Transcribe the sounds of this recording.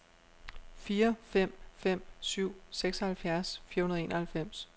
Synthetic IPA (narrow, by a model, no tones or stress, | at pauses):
fiːɐfem̰fem̰syʊ̰seɡ̥sɐhælfjæɐsfiːɐhunɐðˠe̝ːnɐhælfem̰s